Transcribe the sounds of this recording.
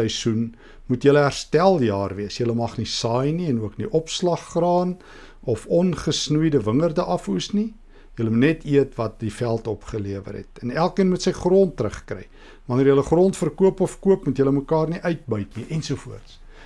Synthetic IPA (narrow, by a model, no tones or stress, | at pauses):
əjsun | mutjələɦærstælˠjɑːrviəsjələmɐχnisɑːjniɛnuəkniʔɔpslɑχːrɑːn | ɔfɔnχəsnujdəvəŋərdəʔɐfusni | jələmutnɛtʰiətvɐt̚difælˠtɔpχəliəvə̰rɦɛ̰tənælˠkiənmutsəjχrɔntːrəχkrɛ̰j | vɐnərjələχrɔntfərkuəpɔfkuəpmutjələməkɑːrniʔœɥt̚bœɥtniʔɛnsuəfuərts